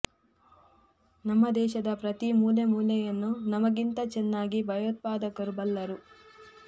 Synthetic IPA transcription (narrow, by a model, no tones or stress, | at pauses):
nɐmːɐd̪ɛːʃɐd̪ɐpɾɐt̪imuːlemuːlɛjɐnːunɐmɐɡint̪ɐt͡ʃɛnːaːɡibʱɐjoːt̪̚paːd̪ɐkɐɾubɐlːɐɾu